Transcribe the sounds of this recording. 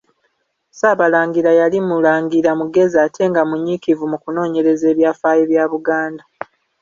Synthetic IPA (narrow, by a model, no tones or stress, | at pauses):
saːβalaːŋɡiɾajalimulaːŋɡiɾamuɡe̞ziatʰe̞ŋɡamuɲːikivumukuno̞ːɲe̞ɾe̞ze̞ːβjaːfaːjeβjaːβuɡaːnda